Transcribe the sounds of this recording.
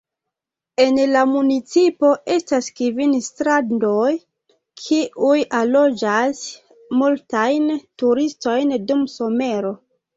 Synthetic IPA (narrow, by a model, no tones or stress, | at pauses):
e̞nlamunit͡sipoʔe̞staskivinstɾaddoj | kʰiʔujalo̞d͡ʒas | multajntuɾisto̞jndumso̞me̞ɾo̞